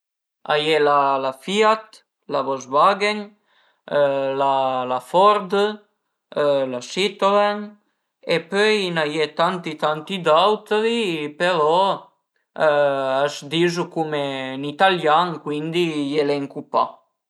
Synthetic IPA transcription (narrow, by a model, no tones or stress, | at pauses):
a̰jɛlalafiat̪ | laβɔzbaɡen | lalafɔɾd̪ə | lasit̪olɛn | epøjnajɛt̪ant̪it̪ant̪id̪awt̪ɾipeɾɔ | azd̪izukumenit̪aljaŋkwind̪ijeleŋkupa̰